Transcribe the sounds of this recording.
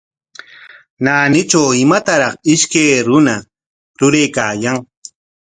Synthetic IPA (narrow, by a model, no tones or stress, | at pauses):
naːnɪt͡ʃawɪmat̪aɾɑχɪʃkajɾʊna | ɾʊɾajkaːjaŋ